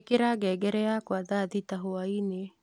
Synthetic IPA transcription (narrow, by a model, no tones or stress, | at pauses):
keɾaɡɛɡɛɾɛakwaðaðitaɦoaine